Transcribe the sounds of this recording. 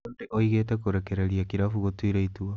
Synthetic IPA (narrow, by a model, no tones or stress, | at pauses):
ondeʔoiɣeːtekoɾekeɾeɾiakiɾafuɣotwiɾeitua